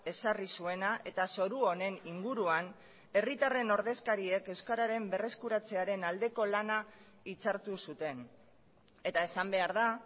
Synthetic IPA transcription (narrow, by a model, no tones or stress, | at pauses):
e̞sarisue̞naʔe̞t̪aso̞ɾuone̞niŋɡuɾuan | e̞rit̪are̞no̞ɾðe̞skaɾie̞ke̞wskaɾaɾe̞mbe̞re̞skuɾat͡se̞aɾe̞nald̪e̞ko̞lana | it͡saɾt̪usut̪e̞n | e̞t̪ae̞sambe̞aɾða